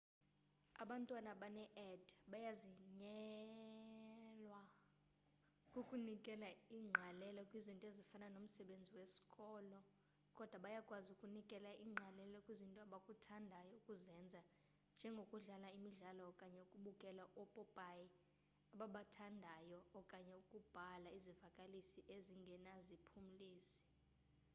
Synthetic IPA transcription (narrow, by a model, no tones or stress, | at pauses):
aɓantʼwanaɓanɛʔɛdɓajaziɲɛ | lwa | kʼukʼunikʼɛlaiːŋ͡ǃʱalɛlɔkʼwizintʼezifananom̩sɛɓend͡zʱiwesi̥kʼɔːlɔ | kʼɔd̥ʱwaɓajakʼwazukʼunikʼɛlaʔiːŋ͡ǃʱalɛlɔkʼwizintʼɔaɓakʼutʰandʱajɔukʼuzɛnd͡zʱa | nd͡ʒʱɛŋɡʱokʼuɮalaimiɮalɔɔkʼaɲɛukʼuɓukʼɛlaʔɔpʼɔpʼaji | aɓaɓatʰandʱajɔːkʼaɲɛukʼub̥ʱalaizivakʼalisiʔeziŋɡʱɛnazipʰum̩liːsi̥